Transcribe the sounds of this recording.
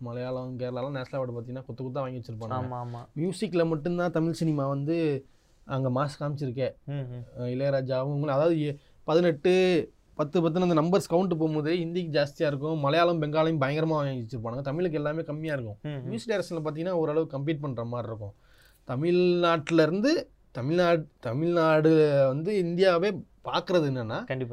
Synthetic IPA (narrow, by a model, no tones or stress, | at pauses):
mɐlɐjaːlɐʋɯmkeːɾɐlaːlãːneːslaːʋɐʈːɯpaːɾt̪iŋɡɐnːaːkɔt̪ːɐkɔt̪ːãːʋaːŋɡɪʋɐt͡ʃːɪɾɯpaːɳːɡɐmjuːsɪkːlɐmɐʈːɯnt̪ãːt̪ɐmɪɭsɪnɪmaːʋɐnd̪ɯ | ɐŋɡɐmaːskaːmɪt͡ʃːɪɾɯk̬ːeː | ɪlɐɾaːd͡ʒaːʋɯ̃ʊŋɡɐɭɐðaːʋɐðɯ | pɐðɯnɛʈːɯ | pɐt̪ːɯpɐt̪ːɯnɐnd̪ɐnɐmbɐɾskɐʊɳʈɯpoːmuːðɐliɪnd̪ɪjɐkːɯd͡ʒaːst̪ɪjaːɪɾɯk̬ːʊ̃mɐlɐjaːlɐmbɛŋɡaːlɐjʊ̃mbɐjɐŋɡɐɾɐmaːt͡ʃːɪɾɯpːaːɽɯŋɡɐt̪ɐmɪɭɯk̬ːɯɛlːaːmeːkɐmːɪjaːɪɾɯkːʊ̃ʋiːsɖeːɾɐsɐnlɐpaːt̪ĩŋɡɐnːaːɔɾɯɐɭɐʋɯkːɐmpliːʈ̚pɐɳːɾɐmaːɾɪɾɯkːʊ̃ | t̪ɐmɪɭnaːʈːɪlɐɾɯnd̪ɯ | t̪ɐmɪɭnaːʈt̪ɐmɪɻnaːɽɯʋɐnd̪ɯɪnd̪ɪjaːʋeːpaːɾkɯɾɐðɯɛnːɐnːaːɐɳɖɪpː